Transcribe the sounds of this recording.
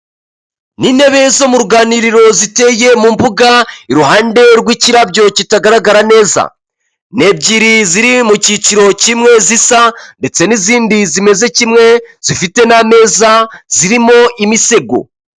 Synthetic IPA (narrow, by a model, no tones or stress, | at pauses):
niːne̞βe̞zo̞muɾɡaːniɾiɾo̞zite̞je̞mumbuɡaiɾuɦaːnde̞ɾɡwiciɾabɟo̞citaɡaɾaɡaɾane̞ːza̰ | ne̞b̚ɟiɾiziɾimuciciɾo̞cimŋe̞zisande̞t͡se̞niziːndizime̞ze̞cimŋe̞z̥ifite̞name̞ːzaz̥iɾimo̞ʔimise̞ɡo̞̰